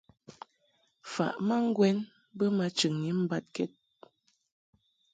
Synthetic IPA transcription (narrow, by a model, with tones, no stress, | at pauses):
fa̰˨ʔma˦ŋ̩˦ɡwɛ˦n | bə˦ma˨t͡ʃɨ˨ŋɲi˦m̩˦ba˦t̚kɛ˦t̚